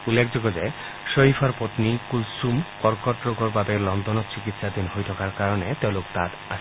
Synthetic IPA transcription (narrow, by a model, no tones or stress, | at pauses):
ulːekʰd͡ʑoɡɔd͡ʑe | ʃoɦifʰɔɾpot̪nikulsumkɔɾkɔʈɾoɡɔɾbabelɔnd̪ɔnɔt͡ɕikit̪ʃad̪inɦojt̪ʰɔkaɾkaɾɔnet̪ewlokt̪at̪aʃʰ